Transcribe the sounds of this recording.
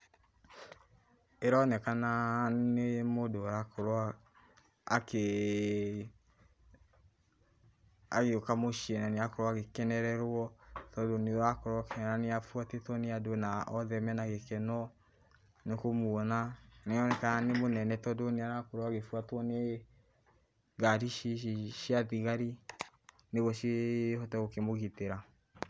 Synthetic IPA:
ɛɾɔnɛkananemodoɾakʰoɾɔ | ake | a̰ɣeokamoʃiɛnaneakoɾɔaɣekɛnɛɾɛɾwɔtɔdoniakɔɾɔkɛɾaneafuatetɔneadonaʔɔðɛmɛnaɣekɛnɔ | nekomuɔnaneɔnɛkanemonɛnɛtɔdoniaɾakoɾɔaɣefuatwɔne | ɡaɾiʃiʃiaðiɣaɾi | neɣɔʃehɔtɛɣokemoɣiteɾa

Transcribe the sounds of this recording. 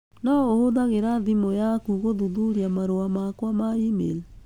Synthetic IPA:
nɔohoðaɣeɾaðimojakuɣoðuðuɾiamaɾoamakwamaimḛl

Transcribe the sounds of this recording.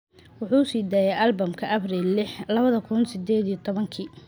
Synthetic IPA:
wʊħuːʊsiːd̪aːjɛʔɐlbɐmkʰɐʔɐbriːlːɪħlɐβɐðɐkʰʊnsɪd̪ɛːd̪ijɔt̪ʰɔβɐŋkʰiː

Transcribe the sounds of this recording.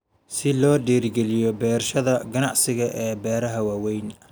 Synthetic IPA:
sɪlɔːɖiːrɡɛlɪjɔbɛːrʃɐðɐɡɐnɑʕsɪɣɐʔɛːbɛːɾɐɦɐwaːwɛjn

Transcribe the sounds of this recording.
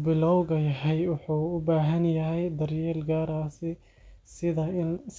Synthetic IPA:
bɪlɔwɣɐjɐɦɛjwʊħuːʊbaːɦɐnjɐɦɛjd̪ɐrjɛːlɡaːɾaːsɪ | sɪðɐɪns

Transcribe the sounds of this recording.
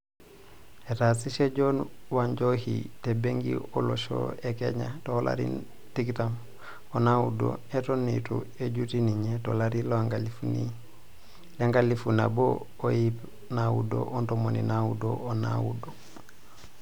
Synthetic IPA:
etasiʃed͡ʒonwaɲd͡ʒohitebeŋɡḭoloʃo̰ekeɲatolʔa̰ɾḭn | tiktam | onaudo̰etonḭtṵ | eɟutiniɲetolaɾilaŋɡalifuni | leŋɡalifuna̰bo̰ | ojip | nawṵdo̰ʔontomonḭnawudoona̰wṵdo

